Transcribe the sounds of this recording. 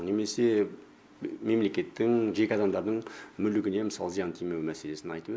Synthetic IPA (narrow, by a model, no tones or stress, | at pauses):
neme̞se̞ | me̞mle̞kʲe̞t̪ːɪŋʒe̞kʲeɑd̪ɑmd̪ɑɾd̪əɴmʏlɪkʲɪne̞məsɑlˠəzijɑnt̪ʰijmewɪmæse̞le̞sɪnɑ̰jt̪əp